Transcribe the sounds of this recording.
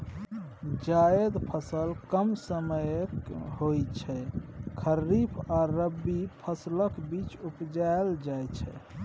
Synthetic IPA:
d͡ʒaed̪pʰəsəlkəmsəməjkɦojt͡ʃʰɛkʰəɾːipʰaɾəbːipʰəsləkbit͡ʃupd͡ʒaeld͡ʒajt͡ʃʰɛ̰

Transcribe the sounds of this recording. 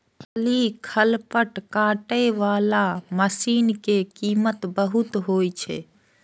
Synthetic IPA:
əlikʰəlpəʈkãːʈeʋaːlaməsiːnkekiːmət̪bəɦʊt̪ɦoːjt͡ʃʰḛː

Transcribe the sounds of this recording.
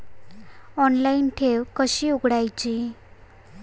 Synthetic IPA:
ɔnlainʈʰeʋkəɕiːuɡɽajt͡ɕi

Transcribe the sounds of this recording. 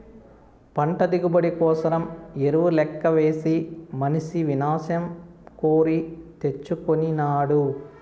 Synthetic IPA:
pɐɳʈɐd̪iɡubɐɽikɔːsɐɾɐmeɾuʋulɛkːɐʋeːsimɐniʃiʋinaːsjɐm | koːɾit̪e̞t͡ʃːukoninaːɽu

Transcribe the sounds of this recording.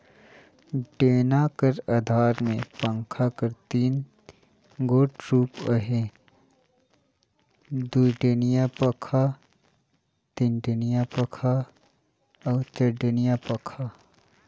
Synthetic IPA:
ɖeːnakəɾad̪ʱaːɾmẽpə̃ŋkʰakəɾt̪iːn | ɡoːʈɾuːpəɦe | d̪uʈeːnijapɐkʰa | t̪inʈenijapɐkʰa | ɔːt͡ʃəɖənijapɐkʰaː

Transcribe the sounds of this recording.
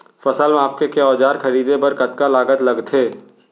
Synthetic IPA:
fɐsəlmẽaːp̚kekeɔːd͡ʒaːɾxʰɐɾiːd̪ebɐɾkɐt̪kalaːɡət̪lɐɡt̪ʰɦeː

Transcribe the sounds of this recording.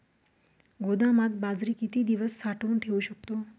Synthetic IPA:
ɡod̪amat̪̚bad͡zɾiːkit̪iːd̪iʋəsːaʈuːnʈʰeuʃək̚t̪o

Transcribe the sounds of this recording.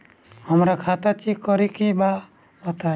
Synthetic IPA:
hɔmɾakʰat̪at͡ʃikɔɾikiba | bɔt̪a

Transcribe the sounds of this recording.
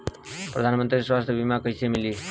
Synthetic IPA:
pɾəd̪ʱanmənt̪ɾiswast̪ʰjəbimakəjsemili

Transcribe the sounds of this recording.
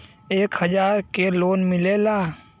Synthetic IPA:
eːkhəd͡ʒaːɾkeloːnmɪleːlaː

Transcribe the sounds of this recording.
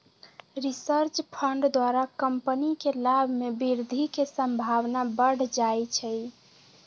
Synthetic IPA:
ɾisəɾt͡ʃpʰəɳɖd̪waɾakəmpənikelabʱmebiɾd̪ʱikesəmbʱaʋnabəɽ̤d͡ʒajt͡ʃʰɛj

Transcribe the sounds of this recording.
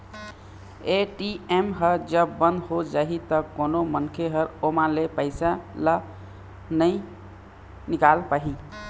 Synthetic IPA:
eʈiemɦəɾd͡ʒəbːənd̪ɦod͡ʒaɦit̪əkonomənkʰeɦəɾomãlepəɪsalə | nəɪ | nikalpaɦi

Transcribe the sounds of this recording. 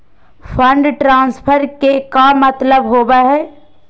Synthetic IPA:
fʰə̃ɳɖʈɾãːnspʰəɾkekamɐt̪ləbɦoːbaɦɛː

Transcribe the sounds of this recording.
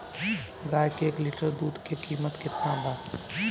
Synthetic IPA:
ɡaːjkeeːklɪʈəɾd̪uːd̪kekiːmət̪kɪt̪naba

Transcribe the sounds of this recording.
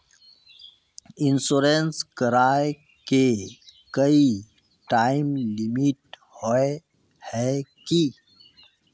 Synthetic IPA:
insoɾenskəɾaːe | kekəi | ʈaːimlimiʈ̚ | hoe | hɛki

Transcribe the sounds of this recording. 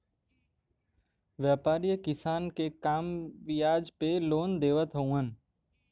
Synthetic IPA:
ʋjaːpaːɾijəkɪsaːnkekaːmʋɪjaːd͡ʒpeloːnd̪eːʋət̪ɦoũɦən̆

